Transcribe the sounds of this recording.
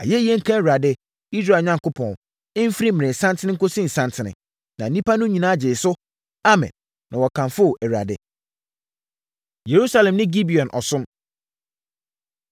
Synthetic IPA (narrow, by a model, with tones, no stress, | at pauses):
a̰˨jɛ˦i˦ɛ˦ŋ̩˦kʰã˦˨a˨dɪ˦ | i˦s̬ɾa˨ɲã˦ŋkʊ˦pʰɔ̃˨n | ɪ˦m̩˦fi˦ɾi˦mɪ̃˨nɪ̃˨sã˦ntʰɪ˦nɪ̃˦ŋ̩˦ko˦sĩ˦˨n̩˨sã˦ntʰɪ̃˨nɪ̰̃˨ | nã˨n˨nĩ˦pʰa˦nʊ̃˦ɲĩ˨nãː˦˨d͡ʑɪ˨sʊ˦ | a˦mɛ̰̃˨nː | ã˨wɔ˨kʰã˨nfʊ˦˨ʔɛ˨ɥa̰˨dɪ˦ | je˨ɾu˦sa˦lɛ̃˨mnɪ̃˦ɡi˦bi˨ɔ̃˨nʔɔ̰˨sʊ̃˦m